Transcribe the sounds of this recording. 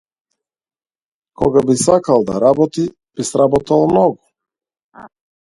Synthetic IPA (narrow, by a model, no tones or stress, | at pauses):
kɔɡabisakalˠd̪a̰ɾabɔt̪i | b̥isɾabɔt̪alˠmnɔɡu